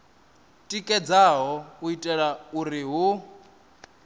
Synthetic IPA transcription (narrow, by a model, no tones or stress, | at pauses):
tʼikʼɛd͡zaɦɔuitʼɛɺauɾiɦu